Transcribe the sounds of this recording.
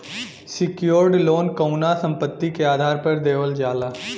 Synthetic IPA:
sɪkjoːɾɖloːnkəʊnasə̃mpət̪ːikeaːd̪ʱaːɾpɐɾd̪eːʋəld͡ʒaːlaː

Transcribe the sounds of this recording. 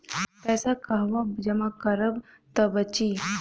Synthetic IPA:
pɛːsakaɦʋad͡ʒɛmakəɾəb | t̪əbət͡ʃiː

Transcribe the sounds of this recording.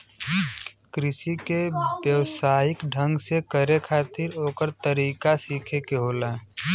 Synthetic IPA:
kɾɪsikebjəwsaːɪkɖʱə̃ŋɡsekəɾekʰaːt̪ɪɾoːkəɾt̪əɾiːkasiːkʰekeɦoːlaː

